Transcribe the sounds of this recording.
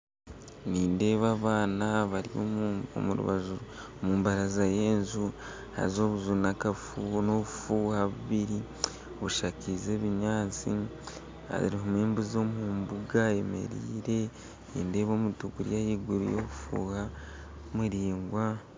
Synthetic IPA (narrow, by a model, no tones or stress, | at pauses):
niːnde̞ːβaβaːnaβaɾḭo̰o̰muɾṵβa̰zuɾu | muːmbaɾazaje̞ːnzu | ha̰zo̞βuzunakafunoβufuːhaβuβiɾi | oβuʃakize̞ːβiɲaːt͡si | a̰ḭɾiɦomweːmbuzo̞mhuːmbuɡae̞me̞̰ɾḭːɾe̞ | nḭːnde̞ːβo̞ːmutuɡuɾḭjajiɡuɾḭjoβufṵːha | muɾiːŋɡwa